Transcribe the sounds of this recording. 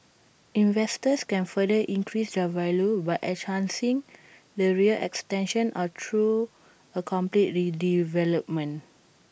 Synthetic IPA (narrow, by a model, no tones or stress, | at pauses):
ĩnvɛstəskɛ̃nfədəʔĩŋkɹisd͡ʒavalobajʔɛthãnsĩŋ | dəɹiəlʔɛ̰kstɛ̃nʃə̃nʔɔtʰɹu | əkʰɔ̃mplit̚ɹidivɛləp̚mə̃n